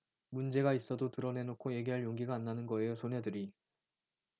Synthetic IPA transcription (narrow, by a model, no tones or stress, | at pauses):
mund͡ʑe̞ɡais͈ʌdotɯɾʌne̞nokʰoje̞ɡiɦaɭjoŋɡiɡaːnːanɯnɡʌe̞josʰone̞dɯɾi